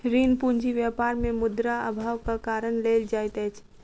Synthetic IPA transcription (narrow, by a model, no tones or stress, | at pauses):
ɾiːnpund͡ʒiʋjəpaːɾmẽmʊd̪ɾaə̰bʱaːʋkakaːɾəñleːld͡ʒaːjt̪ɛt͡ʃʰ